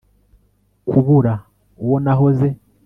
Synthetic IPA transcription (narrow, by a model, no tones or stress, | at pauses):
kuβuɾa | wonaɦoze